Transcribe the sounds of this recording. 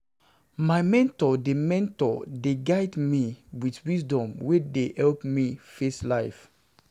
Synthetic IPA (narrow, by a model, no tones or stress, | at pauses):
majmɛ̃ntɔdemɛ̃ntɔdeɡaɪdmiwitwisdɔ̃mwedehɛlpmifeslaɪf